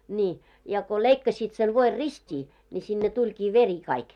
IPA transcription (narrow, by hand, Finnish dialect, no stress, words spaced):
nʲiː jɑ ko leikːɑsit sen ʋoir ristʲiː nʲi sinːe tulʲkiː ʋeri kɑik